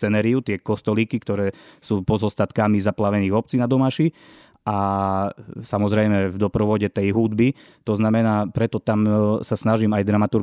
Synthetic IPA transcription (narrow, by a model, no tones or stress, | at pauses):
ɛnɛɾiut̪ɪɛkɔst̪ɔlikikt̪ɔɾɛːsuːpɔzɔst̪at̪kamizaplaʋɛniːɣɔp̚t͡sinad̪ɔmaʃi | ʔa | samɔzɾɛjmɛvd̪ɔpɾɔʋɔɟɛt̪ɛjɦud̪bi | t̪ɔznamɛnaːpɾɛt̪ɔt̪amsasnaʒimajd̪ɾamat̪uɾ